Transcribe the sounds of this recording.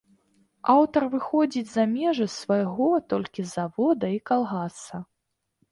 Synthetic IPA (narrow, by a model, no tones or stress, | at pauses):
awt̪ɐrvɨxɔd͡zʲid͡zʲzɐmʲɛʐɨsvɐjɣɔt̪ɔlʲkʲizavɔd̪ɐikalˠɣasɐ